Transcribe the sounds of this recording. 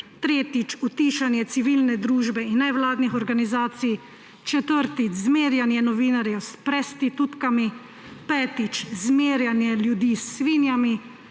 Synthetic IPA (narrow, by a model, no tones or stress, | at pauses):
t̪ɾeːt̪it͡ʃut̪iːʃanjɛt̪siʋiːlnɛd̪ɾuːʒbɛinːɛwlaːd̪nixɔɾɡanizaːt̪sij | t͡ʃɛt̪əɾt̪izmeːɾjanjɛnɔʋiːnaɾjɛwspɾɛst̪it̪ut̪kami | pɛːt̪it͡ʃzmeːɾjanjɛljud̪isːʋiːnjami